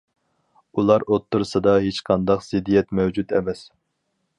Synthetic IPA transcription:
ulˠɑɾot̪ʰːuɾɨsɨd̪ɑɦet͡ʃqʰɑnd̪ɑqz̥ɪd̪ijɛt̪mɛwd͡ʒut̪ɛ̰mɛs

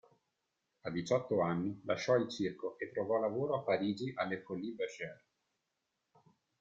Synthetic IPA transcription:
ad̪it͡ʃɔt̪ːoanːilaʃːɔilt͡ʃirkoʔet̪ːɾovɔlavoːɾoapːaɾiːd͡ʒiʔalːefolːibaʃɛɾ

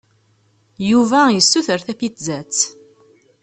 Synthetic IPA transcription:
juvæjəsːuθəɾθæfit͡szæt͡sː

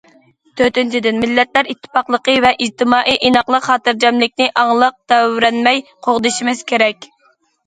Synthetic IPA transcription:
t̪ʰøɾt̪ynt͡ʃʰid̪ɪnmɪlːɛt̪læɾit̪ʰːɨ̥pɑχlˠəqəvɛʔid͡ʒt̪ʰɨmɑːʔiʔinɑχlˠəqχɑːt̪ɨɾd͡ʒɑmlɪk̚ʲnɪʔɑŋlˠəq̚t̪ɛwɾɛnmɛjqʰoʁd̪ɨʃimɪz̥kʲʰeɾɛkʲ

